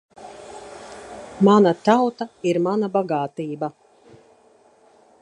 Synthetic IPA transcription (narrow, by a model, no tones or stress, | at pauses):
manat̪awt̪aiɾmanabaɡaːt̪iːba